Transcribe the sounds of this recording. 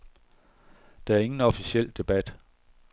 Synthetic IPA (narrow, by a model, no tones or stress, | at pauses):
d̥ɑ̈æɐe̝ŋn̩ɒ̽fisiel̰d̥e̝b̥æd̥